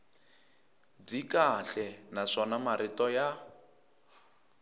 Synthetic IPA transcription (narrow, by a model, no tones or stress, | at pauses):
b͡ʐikaɬɛnaʂɔnamaɾitɔja